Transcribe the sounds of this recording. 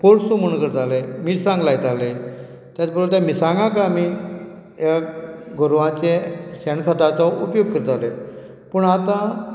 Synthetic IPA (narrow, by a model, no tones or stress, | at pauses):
poɾsumuɳkəɾt̪alemiːʈsãŋɡlajt̪ale | t̪jat͡sbəɾult̪jamiːsãŋɡãk̬ami | jaɡoɾʋãt͡ɕẽɕɛɳkʰat̪at͡saupjoɡ̚kəɾt̪ale | pəɳat̪ã